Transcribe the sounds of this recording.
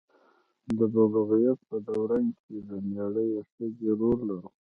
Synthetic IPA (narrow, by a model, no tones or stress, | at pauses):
d̪əbabaɣijat̪̚pəd̪awɾankʰed̪ənaɽəjaʂt̪əɡeɾoɾlaɾu